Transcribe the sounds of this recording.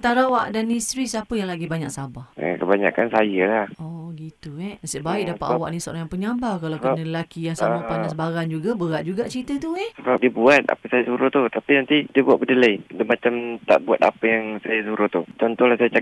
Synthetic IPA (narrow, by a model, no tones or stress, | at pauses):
ant̪aɾawaʔdanist̪ɾisapəjaŋlaɡibaɲaksabahə̰kəbaɲa̰kansajəlahɔɡit̪uɛasəʔbaɪk̚dapat̪ʔwa̰ʔniso̰ɾaŋjãpəɲãbakalanələlakijaŋsamapanasbaɾand͡ʒuɡabəɾaʔd͡ʒuɡaʔt͡ʃɾit̪ət̪uɛsəbap̚diəbuat̪̚a̰pəsajasuɾʊht̪ut̪apinant̪idiəbuat̪̚bədəlajdəmat͡ʃamt̪a̰ʔbua̰t̪̚a̰pəjaŋsajasuɾʊht̪ut͡ʃɔnt̪ɔhlasajat͡ʃa